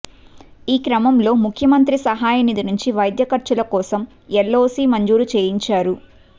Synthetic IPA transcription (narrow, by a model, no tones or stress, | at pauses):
iːkɾɐmɐmlo̞ːmukʰjɐmɐnt̪ɾisɐɦaːjɐnid̪inuɲt͡ʃiʋɐjd̪jɐkɐɾt͡ʃɐlɐkɔːsɐm | ɛlːoːsiːmɐɲd͡ʒuːɾut͡ʃe̞ːjiɲt͡ʃaːɾu